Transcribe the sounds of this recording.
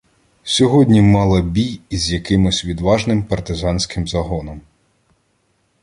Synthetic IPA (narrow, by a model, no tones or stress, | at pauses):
sʲɔɦɔdʲnʲimɑlˠɐbʲijizʲjɐkɪmɪsʲʋʲid̪ʋɑʒnɪmpɐrt̪ɪzɑnʲsʲkɪmzɐɦɔnɔm